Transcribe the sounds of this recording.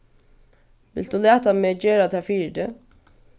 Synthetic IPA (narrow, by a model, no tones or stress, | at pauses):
ʋɪ̰ld̪uːlæːt̪ameːd͡ʒeːɾad̪ʰæfiːd̪e